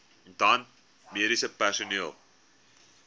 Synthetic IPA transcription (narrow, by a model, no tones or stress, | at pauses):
ndɐn | miəɾisəpæʃoniəlˠ